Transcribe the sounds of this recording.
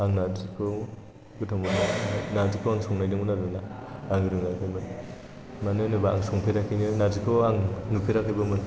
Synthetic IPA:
aŋnazikʰɔ | ɡɯtʰɔmɯnanazikʰɔwaŋsɔŋnajdɯŋɯnaɾbɯnaːŋɯɾɯŋakʰɯmɯn | manɯnɯbaaŋsɔŋpʰiɾakʰinɯnazikʰɔaŋnupʰiɾakʰɯbɯmɯn

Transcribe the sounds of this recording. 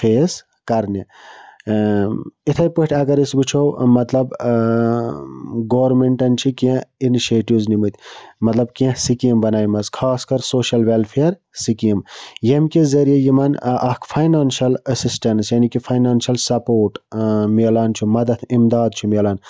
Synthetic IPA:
fʰeːs | kɐɾni | it̪ʰɐjpɨʈʲʰɐɡɐɾisbit͡ʃʰowmɐt̪lɐb | ɡoːʋɾmeɳʈɐnt͡ʃʰikẽiniʃeːʈiʋznimɨt̪ʰʲmɐt̪lɐbkẽsikimbɐnaːjmɐskʰaːskɐɾsoːʃɐlʋelpʰeɐɾ | sikimjemkezɐɾijejimɐnʔɐkʰpʰɐjnaːnʃɐləsisʈɐnsjɐnikipʰɐjnaːnʃɐlsɐpoːɾʈmiɐlaːnt͡ʃʰumɐd̪ɐt̪ʰimd̪aːd̪̚t͡ʃʰumilaːn

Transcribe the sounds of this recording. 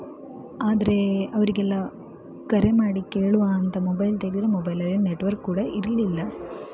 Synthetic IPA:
aːd̪ɐɾe̞ɐʋɐɾiɡɛlːa | kɐɾemaːɽikeːɭuʋaːɐnt̪ɐmɔbɐjlt̪eːɽit̪ːiɾemɔbɐjlɐlːilneʈːʋɐɾkːuːɽɐʔiɾɐlilːɐ

